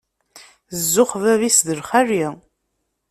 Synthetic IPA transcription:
zːʊχvævisðəɾχæri

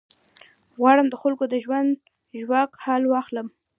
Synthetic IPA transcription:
ɣwɑɽəmd̪əxalkod̪əʒwand̪ | ʒwɑkhalwɑxləm

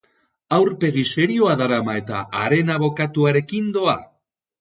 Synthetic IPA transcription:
awɾpe̞ɣ̞ise̞ɾioaðaɾamae̞t̪a̰ʔaɾe̞naβo̞kat̪uaɾe̞kind̪o̞a

